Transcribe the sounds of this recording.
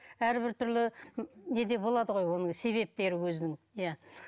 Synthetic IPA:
æɾbɪɾt̪ʰʏɾlɪne̞d̪e̞bo̞lˠɑd̪əʁo̞jwo̞nəɴse̞βe̞p̚t̪e̞ɾɪwɵznɪŋ | ja

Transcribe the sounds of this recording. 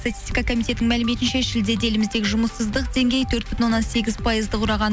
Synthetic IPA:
st̪at̪ʲist̪ʲijkɑkʰomijt̪e̞t̪ːɪŋmælɪme̞t̪ɪnʃeʃɪld̪e̞d̪e̞lɪmɪzd̪e̞kʲɪʒʊməsəzd̪əq̚d̪e̞ŋɡʲe̞jt̪ʰɵɾt̪̚bʏt̪ɪnwonːɑnse̞ɡʲɪzpʰɑjəzd̪əqʰʊɾɑʁɑn

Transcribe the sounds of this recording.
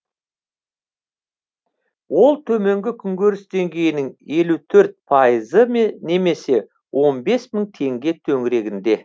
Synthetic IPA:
wo̞lˠt̪ʰɵme̞ŋɡʲɪkʲʰʏŋɡʲøɾɪsd̪e̞ŋɡʲe̞jɪnɪŋje̞lut̪ʰɵɾt̪̚pʰɑjəzəmene̞me̞se̞ | wʔo̞nbe̞sməɴt̪ʰe̞ŋɡʲe̞t̪ʰɵŋɪɾe̞ɡʲɪnd̪e̞

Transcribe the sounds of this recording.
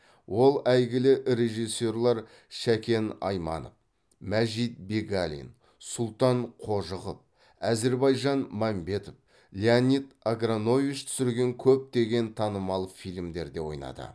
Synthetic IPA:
wʔo̞lˠæjɡʲɪlɪɾe̞ʒijsːe̞rlˠɑɾ | ʃækʲe̞nɑ̰jmɑ̰no̰f | mæʒit̪̚be̞ɡalʲḭn | sʊlˠt̪ɑɴqʰo̞ʒəʁəp̚ | æze̞ɾbɑjʒɑnmɑmbe̞t̪of | lʲeanʲit̪aɡrano̞vit͡ʃt̪ʰʏ̥sɪɾɡʲe̞ŋkʲʰɵp̚t̪e̞ɡʲe̞nt̪ʰɑnəmɑlˠfijlʲmd̪e̞ɾd̪e̞wo̞̰jnɑ̰d̪ə̰

